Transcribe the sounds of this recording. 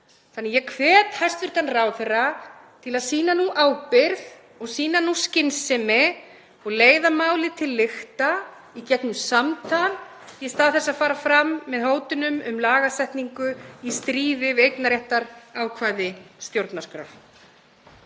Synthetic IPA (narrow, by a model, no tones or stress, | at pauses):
θanːɛjɛkʰvɛːt̪hḁst̪vɪɾ̥t̪anraːwθɛrːat̪ʰɪlaðsiːnanuʔaːwpɪɾð | ɔɣsiːnanuscɪnsɛmɪ | ɔɣleːjðamaːwlɪt̪ʰɪlːɪxt̪a | icɛknʏmsamt̪ʰan | jɛst̪aːθɛsːaðfaːɾafɾamːɛðhoːwt̪ɪnʏmʏmlaːɣasɛht̪niŋkʏist̪ɾiːvɪvejknaɾɛht̪aɾaːwkʰvaːjðɪst̪jowɾt̪naskɾœ̰f